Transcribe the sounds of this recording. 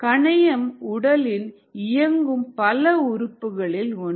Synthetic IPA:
kɐɳɐjɐmʊɽɐlɪn | ɪjɐŋɡɯmpɐlɐʊɾʊpːɯɣɐɭɪlɔn

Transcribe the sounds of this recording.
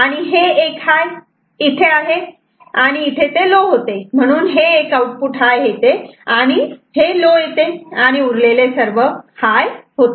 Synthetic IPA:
aɽ̃iɦeekhaj | it̪ʰeaɦe | aɽ̃iːt̪ʰet̪eloɦot̪em̤əɽ̃uːnɦeːkawʈ̚puːʈɦajɦet̪eaɽ̃iheloit̪ʰeaɽ̃iuɾlelesəɾʋəhajɦot̪

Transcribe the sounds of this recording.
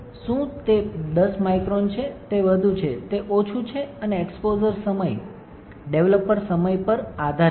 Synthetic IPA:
ʃũt̪ed̪əsmajkɾont͡ʃʰet̪eʋəd̪ʱũt͡ʃʰet̪eʔot͡ʃʰũt͡ʃʰeəneːkspod͡ʒəɾsəməj | ɖeʋləpəɾsəməjpəɾad̪ʱa

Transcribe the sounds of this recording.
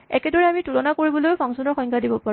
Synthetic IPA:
ɛkɛdɔɹɛamitulɔnakoɹibɔlojʊpʰɔŋsɔnɔɹxɔjŋkʰadibɔpa

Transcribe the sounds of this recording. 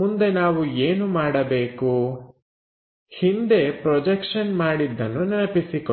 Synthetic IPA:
mund̪e̞naːʋueːnumaːɽɐbe̞ːku | hind̪e̞pɾɔd͡ʒekʂɐnmaːɽid̪ːɐnːunɐnɐpisiko

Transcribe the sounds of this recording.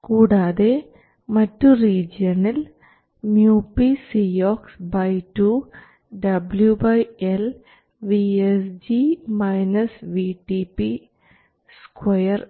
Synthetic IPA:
kuːɽaːðe | mɐtːuriːd͡ʑijɐnil | mjuːpːisijoːksbɐjtu | ɖɐbljubɐjel | ʋiesd͡ʑimɐjnɐsʋiʈipi | skɐjɐr

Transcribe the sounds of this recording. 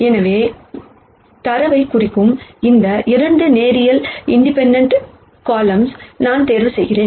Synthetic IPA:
ɛnɐʋeː | t̪ɐɾɐʋɐɪkːʊrɪkːɯmɪnd̪ɐʔɪɾɐnd̪ɯneːɾɪjɐlɪɳɖɪpɛɳɖɐɳʈ | kaːlɐmsnaːnt̪eːɾʋɯsɛjɣɪreːn

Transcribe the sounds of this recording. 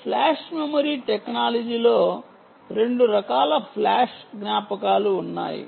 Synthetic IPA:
pʰlaːʂmemɐɾiːʈeknaːlɐd͡ʒiːloː | ɾeɳɖuɾɐkaːlɐpʰlaːʂɡnaːpɐkaːluːnːa̰ːjḭ

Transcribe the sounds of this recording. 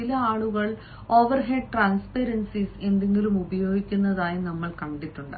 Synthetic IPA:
ilɐaːɭuɣɐɭ | o̞ːʋɐrɦeɖ̚ʈraːnspɐɾɐnsise̞nd̪eŋɡilumubɐjo̞ːɡikʲːunːɐðaːjinɐmːɐɭkɐɳɖiʈːuɳɖɨ

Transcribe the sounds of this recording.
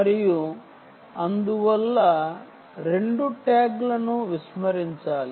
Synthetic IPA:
ɐɾiju | ɐnd̪uʋɐlːɐ | ɾe̞ɳɖuʈaːɡlɐnːuʋismɐɾiɲt͡ʃaːli

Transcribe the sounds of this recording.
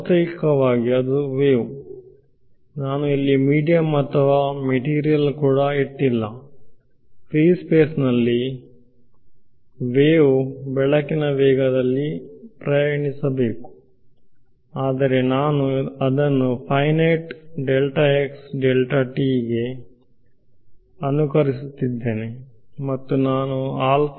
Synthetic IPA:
t̪ikɐʋaːɡiɐd̪uʋeːʋu | naːnuilːimiːɖijɐmɐt̪ʰːɐʋaːmeʈiːɾijɐlkuːɽɐiʈːilːɐ | pɾiːspeːsnɐlːi | ʋeːʋubɛɭɐkinɐʋɛːɡɐd̪ɐlːipɾɐjɐjɐɳisɐbe̞ːku̥ | aːd̪ɐɾe̞naːnuɐd̪ɐnːupʰɐjnɐjʈɖelʈɐeksɖelʈaːʈiːɡe̞ | ɐnukɐɾis̬ut̪ːid̪ːe̞ːnemɐt̪ːunaːnuaːl

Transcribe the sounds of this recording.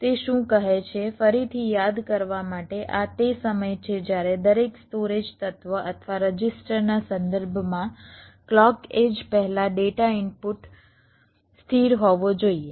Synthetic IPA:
t̪eʃũkəɦet͡ʃʰefəɾit̪ʰijad̪kəɾʋamaʈeʔat̪esəməjt͡ʃʰed͡ʒjaɾed̪əɾeksʈoɾed͡ʒt̪ət̪ʋəʔət̪ʰʋaɾəd͡ʒɪsʈəɾnasə̃nd̪əɾbʱmã | klɔked͡ʒpɛɦɛlaɖeʈaɪnpuʈ | st̪ʰiɾɦɔʋod͡ʒoie

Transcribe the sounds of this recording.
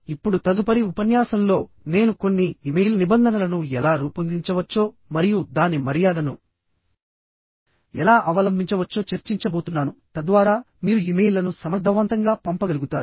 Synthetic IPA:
ipːuɽut̪ɐd̪upɐɾiupɐnjaːsɐmlo̞ː | ne̞ːnuko̞nːiːmejlɐnibɐnd̪ʱɐnɐlɐnuɛlaːɾuːpɐnd̪iɲt͡ʃɐʋɐt͡ʃːo̞ː | mɐɾijud̪aːnimɐɾijaːd̪ɐnu | ɛlaːʔɐʋɐlɐmbʱiɲt͡ʃɐʋɐt͡ʃːo̞ːt͡ʃeɾt͡ʃiɲt͡ʃɐbo̞ːt̪unːaːnut̪ɐd̪ʋaːɾaː | miːɾuimeːjlːɐnusɐmɐɾd̪ʱːɐʋɐnt̪ɐŋɡaːpɐmpɐɡɐluɡut̪aːɾu

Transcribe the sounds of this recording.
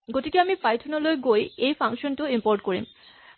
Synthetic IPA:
ɡoʈikeamipajt̪ʰonoloeɡojejfʰaŋʃonʈoimpoɾʈkoɾḭm

